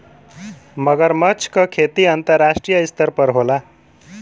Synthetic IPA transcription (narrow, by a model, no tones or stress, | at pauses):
mʌɡəɾmʌt͡sʰkʌkʰet̪iənt̪əɾːasʈɾijəist̪əɾpəɾɦola